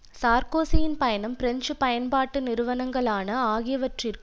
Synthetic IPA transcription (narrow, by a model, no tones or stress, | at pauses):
saːɾkoːsɪjɪnpɐjɐnɐmpɪɾɛɲd͡ʒɯpɐjɐnbaːʈːɯnɪɾɯʋɐnɐŋɡɐɭaːnɐaːɣɪjɐʋɐʈrɪrk